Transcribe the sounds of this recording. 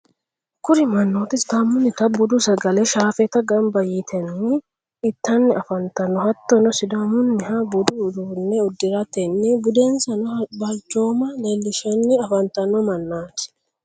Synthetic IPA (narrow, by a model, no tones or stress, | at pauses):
kʊɾɪmɐnːoːt̪ɪsd̪ɐmʊnːɪt̪ɐbʊd̪usɐɡɐlɛʃaːfɛt̪ɐɡɐmbɐjɪt̪ʰɛnːɪ | ɪt̪ːɐnːɪʔɐfɐnt̪ɐnːɔhɐt̪ːɔnɔsɪd̪amʊnːɪhɐbʊd̪ud̪uːnːɛʊd̪ːɪɾɐt̪ɛnːɪbʊd̪eːnsɐnɐbɐlt͡ʃo̞ːmɐlelːɪʃɛnːɪɐfɐnt̪ɐnːɔmɐnːaːt̪ɪ̥